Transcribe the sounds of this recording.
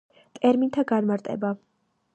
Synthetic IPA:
t̪ʼɛɾmint̪ʰaɡanmaɾt̪ʼɛ̰ba

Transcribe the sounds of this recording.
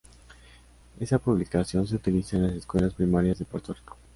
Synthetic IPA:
e̞sapuβlikasjo̞ns̬e̞ut̪ilisaenlaseskwe̞laspɾimaɾjazðepoɾt̪oriko

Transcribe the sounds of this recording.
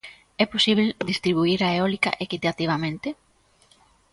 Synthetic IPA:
ɛposiβ̞ld̪ist̪ɾiβ̞uiɾaeɔlika̰ʔekit̪at̪iβ̞amẽnt̪e

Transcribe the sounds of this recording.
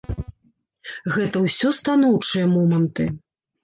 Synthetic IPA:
ɣɛt̪ɐwsʲɔst̪an̪ɔwt͡ʂɨjɐmɔmɐnt̪ɨ

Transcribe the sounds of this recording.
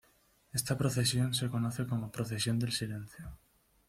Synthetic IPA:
est̪apɾoθesjõnsekonɔθekomopɾoθesjond̪elsilẽn̟θjo

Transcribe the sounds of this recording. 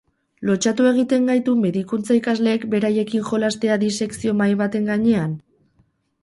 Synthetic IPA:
lo̞t͡ʃat̪ue̞ɣ̞it̪e̞ŋɡajt̪ume̞ðikunt͡saikazle̞ːkbe̞ɾaje̞kiŋʝo̞last̪e̞aðise̞ksio̞majβat̪e̞ŋɡaɲe̞an

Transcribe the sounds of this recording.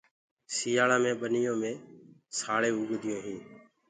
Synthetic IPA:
siːaːɭãːmẽːɓənɪjõːmẽːsaːɭeːʊɡd̪ʱɪjõːɦĩː

